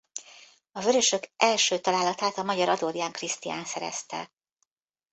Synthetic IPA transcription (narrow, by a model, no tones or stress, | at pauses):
ɒvø̞ɾø̞ʃø̞kʔɛlʃøːt̪ɒlaːlːɒt̪aːt̪ɒmɒɟɒɾɒd̪oːd̪ijaːŋkrist̪ija̰ːnsɛɾɛ̰st̪ɛ̰